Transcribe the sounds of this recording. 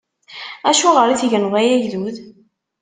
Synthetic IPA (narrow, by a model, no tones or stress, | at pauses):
æʃuʁəɾiθʝənʁæjæʝðuð